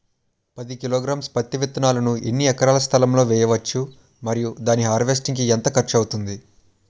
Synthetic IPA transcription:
pɐd̪ikiloːɡɾaːmspɐt̪ːɐʋit̪ːɐnaːlɐnuʔḛnːiɛkɐɾaːlɐst̪ʰɐlɐmlo̞ːʋɛːjɐʋɐt͡ʃːu | mɐɾijud̪aːniɦaːɾʋes̬ʈiŋkiɛnt̪ɐkɐɾt͡ʃɐwut̪und̪i

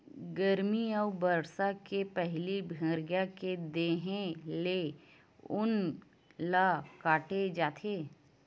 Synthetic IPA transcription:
ɡəɾmiəʊbəɾsakepɛɦlibʱə̃ːɾɡjaked̪eːɦẽle | ʊn | laːkaːʈed͡ʒaːt̪ʰeː

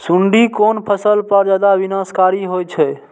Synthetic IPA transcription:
suɳɖikonpʰəsəlpəɾd͡ʒad̪abinaskaɾiɦojt͡ʃʰɛ

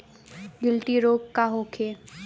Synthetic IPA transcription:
ɡɪlʈiɾoːkkaɦoːkʰeː

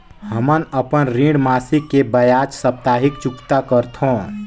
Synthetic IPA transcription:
həmənəpənɾĩɖmaːsikːebəjaːt͡ʃsəp̚t̪aːɦɪkt͡ʃʊkt̪akəɾt̪ʰõ

